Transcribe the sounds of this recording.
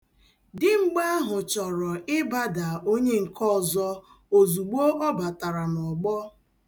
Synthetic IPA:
dɪ˨ŋ͡m̩˦ɡ͡ba˦a˦ɦʊ˨t͡ʃɔ˨ɾɔ˨ɪ˦ba˦da˨o˦ɲe˦ŋ̩˨kʰɔ˦˨zɔ˦ | o˨zu˨ɡ͡bo˦ʔɔ˦ba˨ta˨ɾa˨nɔ˨ɡ͡bɔ˦

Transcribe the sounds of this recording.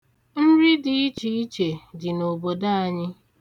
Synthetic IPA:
n̩˦ɾɪ˦dɪ˨i˦t͡ʃi˨i˦t͡ʃe˨dɪ˨no˨bo˨da˦a˨ɲɪ˦

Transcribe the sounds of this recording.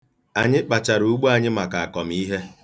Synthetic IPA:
a˨ɲɪ˦k͡pa˨t͡ʃa˨ɾu˨ɡ͡bu˦a˨ɲɪ˦ma˨ka˨a˨kɔ˨m̩˦i˦ɦe˦

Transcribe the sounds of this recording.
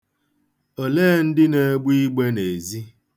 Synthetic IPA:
o˨leː˦˨n̩˦dɪ˦ne˨˦ɡ͡bi˦ɡ͡be˦ne˨zi˦

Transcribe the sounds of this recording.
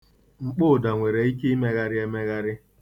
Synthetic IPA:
ŋ͡m̩˨k͡pʊ˦˨da˨ŋʷe˨ɾe˨i˦ki˦me˦ɣa˦ɾɪ˦e˦me˦ɣa˦ɾɪ˦

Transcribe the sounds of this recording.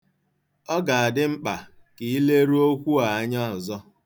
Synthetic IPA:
ɔ˦ɡa˨a˨dɪ˦ŋ͡m̩˦k͡pa˨ki˨i˦le˦ɾu˦o˦kʷu˦a˨a˦ɲa˦ɔ˨zɔ˦

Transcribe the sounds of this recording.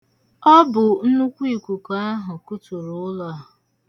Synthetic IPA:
ɔ˦bʊ˨n̩˦nu˦kʷi˨kʷu˨kɔ˨a˦ɦʊ˨kʊ˦tu˨ɾʊ˨ʊ˦lɔ˦a˨ɦ

